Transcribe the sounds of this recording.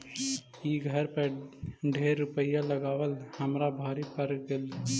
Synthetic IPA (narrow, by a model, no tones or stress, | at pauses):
iɡʱəɾpəɖʱeɾːupəjaləɡaːʋəlhəmɾabʱɔːɾipəɾɡel